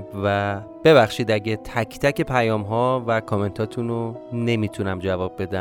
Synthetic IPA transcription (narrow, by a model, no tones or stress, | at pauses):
væ | b̥e̞βæxʃiːd̪æɟet̪ʰæcʰt̪ʰæce̞pʰæjɒːmɦɒːvækʰɒme̞nt̪ʰɒːt̪ʰunone̞miːt̪ʰunæmd͡ʒævɒːbːe̞d̪æ